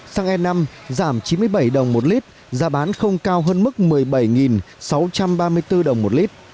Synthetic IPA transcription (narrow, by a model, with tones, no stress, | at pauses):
saː˧ŋʔɛ˧nːa˧mzaː˧˩mt͡ɕi˨˦nmɨ˧əjɓa˧˩jɗə˨˩wŋ͡mmo˨˩t̚li˦˥t̚ | zaː˨˦ɓaː˨˦nxə˧wŋ͡mkaː˧wɦəː˧nmɨ˦˥k̚mɨ˨˩əjɓa˧˩jŋi˨˩n | sa˨˦wt͡ɕa˧mɓaː˧mɨ˧əjt̪ɨ˧ɗə˨˩wŋ͡mmo˨˩t̚li˦˥t̚